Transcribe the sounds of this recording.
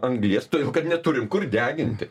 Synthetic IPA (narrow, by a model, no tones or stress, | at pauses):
ɐŋɡlʲiɛst̪oːjɛkɐt̪nʲɛt̪ʊɾʲɪmkʊrd̪ʲæːɡʲɪnʲt̪ʲɪ